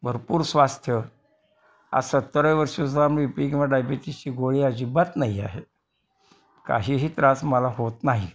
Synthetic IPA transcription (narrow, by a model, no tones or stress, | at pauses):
bʱəɾpuːɾsʋast̪ʰjə | a̰sət̪ːəɾəjʋəɾɕusamipikĩʋaɖajbeʈ̪it͡ɕiːɡoɭiːad͡ʑiːbat̪naɦia̰ɦe | ka̰ɦiːɦiːt̪ɾasməlaɦot̪naɦi